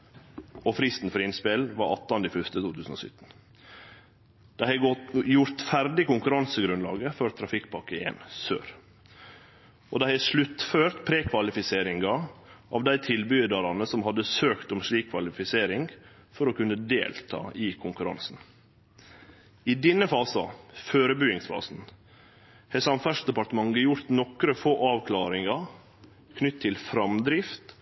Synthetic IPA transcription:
ofɾɪst̪n̩fɔɾɪnspɪlʋɑɾɑt̪ːɑnd̪iːfœst̪ət̪uːt̪ʰʉːsn̩o̰sʏ̰t̪ːn̩ | d̪̥æɪhɛjʊɾt̪fæɾɖ̪ɪkʊŋkʉɾɑnsəɡɾʉnlɑ̰ːɡəfɔɾt̪ʰɾɑfɪkːpʰɑkːəɪjɛ̰nsø̰ːɾ | ʔo̰d̪æɪhæʂlʉt̪føːɾt̪pʰɾeːkʰʋɑlɪfɪseːɾɪŋɡɑʔɑʋd̪æɪt̪ʰɪlbʏd̪ɑɾɑnəsɔmhɑd̪əsøːkt̪ɔmʂɭiːkʰːʋɑlɪfɪseːɾɪŋɡ | fɔɾɔkʉnːəd̪ḛːlt̪ʰɑ̰ːʔɪːkʰʊŋkʉɾɑ̰nsn̩ | ɪd̪ɪnəfɑːsɑ̰føːɾəbyɪŋsfɑ̰ːsn̩ | hɛsɑnfæʂd̪ɛpɑʈ̪əmɑŋɡəjʊɾt̪nɔkɾəfoːʔɑːʋkʰlɑːɾɪŋɑ | kʰnʏt̪ʰːɪlfɾɑmd̪ɾɪft̪

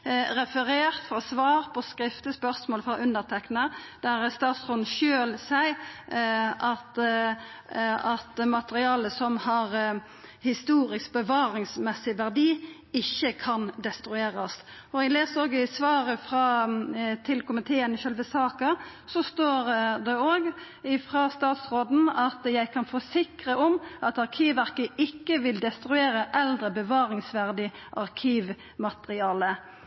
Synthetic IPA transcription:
ɾɛfəʁeːʁt̪fʁɑsʋɑːʁpʰɔskɾɪft̪əspœɾsmoːlfʁɑʔʉnd̪əʁt̪ʰɛknəd̪æɾst̪ɑːt̪sʁʊnʃøːlsæɪ | ʔɑt̪ | ɑt̪mɑt̪əɾɪɑːləsɔmhɑʁ | hɪst̪uːɾɪskbəʋɑːɾɪŋsmɛsɪʋæʁd̪iː | ɪçːəkʰɑnd̪ɛst̪ɾʉeːʁɑst̪ɔɛɡleːsəoːɡæɪsʋɑːɾəfɾɑ | t̪ʰɪlkʰʊmɪt̪ʰeːənɪʃœlʋəsɑːkɑ | sɔst̪oːʁd̪ɛoːɡ | ɪfʁɑːst̪ɑːt̪sʁoːd̪n̩ɑt̪jæɪkʰɑnfɔsɪkʁəɔmɑt̪ɑʁkʰiːʋʋæʁkəɪkːəʋɪld̪ɛst̪ɾʉeːɾəʔɛld̪ʁəbəʋɑːɾɪŋsʋæʁd̪ɪʔɑʁkʰiːʋ | mɑt̪əʁɪɑːlə

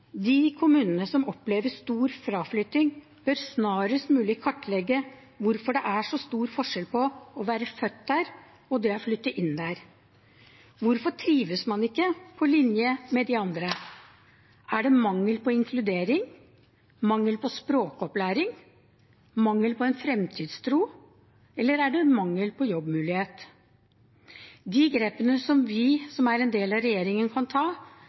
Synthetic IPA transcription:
d̪ɪkʰʊmʉːnənəsɔmɔpleːʋəst̪uːɾfɾɑːflʏt̪ːɪŋ | b̥œɾsnɑːɾəst̪mʉːlɪkʰɑʈːlɛɡːə | ʋʊɾfɔɖɛʔæʂɔst̪uːɾfɔʂɛlpʰɔɔʋæːɾəfœt̪ːd̪æːɾ | ɔd̪ɛæɾflʏt̪ːəʔɪnːd̪æɾ | ʋʊɾfɔʈʰɾiːʋəsmɑnɪkːəpʰɔlɪnjəmɛd̪ɪɑnd̪ɾə | ʔæɖɛmɑŋːəlpɔɪŋkʰlʉd̪eːɾɪŋ | mɑŋːəlpʰɔspɾoːkɔplæːɾɪŋ | mɑŋːəlpʰɔɛnfɾɛmt̪ʰiːd̪st̪ʰɾuː | ɛlːəɾæɖɛmɑŋːəlpʰɔjɔbmʉːlɪheːt̪ | d̪iɡɾeːpənəsɔmʋɪsɔmæɾɛnd̪eːlɑɾɛjeːɾɪŋənkʰɑnt̪ʰɑː

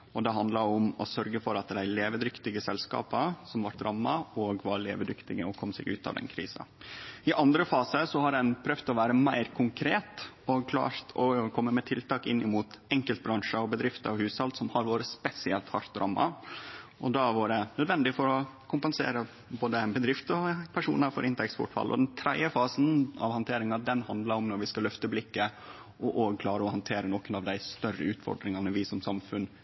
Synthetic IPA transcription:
ɔd̪ɛɦɑnd̪lɑʊmɔsœɾɡəfɔɾɑt̪̚d̪æɪleːʋəd̪ɾʏkt̪ɪɡəsɛlskɑ̰ːpəsɔmʋɑɾʈ̪ɾʔɑmːɑɔːɡʋɑɾlḛːʋəd̪ʏkt̪ɪɡəɔkʰɔmsɛ̰ːɡʉ̰ːt̪ɑ̰ʋd̪ɛ̰nkʰɾḭːsɑ̰ɪʔɑnd̪ɾəfɑːsəsɔhɑɾɛnpʰɾœʋt̪ɔʋæːɾəmæɪɾkʰʊŋkʰɾeːt̪ | ɔkʰlɑ̰ːɾt̪ʰɔkʰɔmːəmɛt̪ʰɪlt̪ɑːkɪnːɪmuːt̪ɛŋkəlt̪̚bɾɑŋʂəɔbəd̪ɾɪft̪əɔʋhʉːshɑld̪sɔmhɑɾʋoːɾəspɛsɪɛlt̪hɑɾt̪ɾʔɑ̰mːɑ̰ | ʔɔd̪ɑʋuːɖɛnœd̪ʋɛnd̪ɪfɔɾɔkʰʊmpɛnsḛːɾə | boːd̪əɛnbəd̪ɾɪft̪ɔpʰæʂṵːnəɾfɔɾʔɪnt̪əɾɛkspɔ̰ʈfɑ̰lʔɔ̰d̪ɛnt̪ʰɾɛd̪jəfɑːsn̩ɑ̰ʋhɑnt̪ʰeːɾɪŋɑd̪ɛnhɑnd̪lɑɾɔmnɔɾʋɪskɑlœft̪əblɪkːə | ʔɔʔoːɡkʰlɑːɾəɔhɑnt̪ʰeːɾənɔkənɑʋd̪æɪst̪œrə̰ʉːt̪fɔ̰ɖɾɪŋɑnəʋɪsɔmsɑmfʉn

